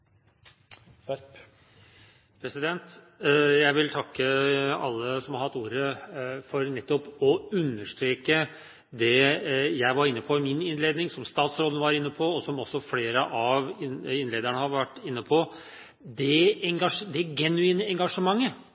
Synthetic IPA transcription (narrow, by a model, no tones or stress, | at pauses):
pʰɾɛsɪd̪ɛnt̪ | jæɪʋɪlt̪ʰɑkːəɑ̰lːəsɔmhɑɾhɑt̪ːuːɾəfɔɾnɛt̪ːɔpɔʉnːəʂt̪ɾeːkə | d̪ɛjæɪʋɑɾɪnːəpʰɔɪmɪnɪnleːd̪nɪŋsɔmst̪ɑːt̪sɾoːd̪əəʋɑɾɪnːəpʰɔːsɔmɔsːɔfleːɾəʔɑʋɪɪnleːd̪əɳəhɑɾʋæʈːɪnːəpʰɔ | d̪ɛɛŋɡɑʂəd̪ɛɡɛnʉiːnəɛŋɡɑʂəmɑŋːə